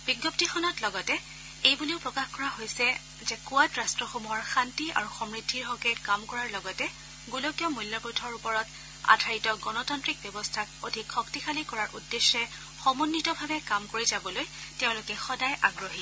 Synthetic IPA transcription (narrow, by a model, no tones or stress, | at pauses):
b̥iɡɔp̚tixɔnɔtlɔɡɔtɛ | ejbuleʊpɹɔkaxkɔɹaɦojsɛ | zɛkuatɹastɹɔxomuɦɔɹxantia̰ɹuxɔmɹidʱːiɹɦɔkɛkamkɔɹaɹlɔɡɔtɛ | ɡulokijɔmujljɔpɹutʰɔɹupɔɹɔt | a̰dʱaɹitɔɡɔnɔtɔntɹik̚bjɔbɔstʰakodʱikxɔktixʰalikɔɹaɹʔudːeʃːɛ | xɔmunːitɔbʱabɛkamkoɹizabɔlojteʊ̃lʊkɛxɔdajʔaɡɹoɦi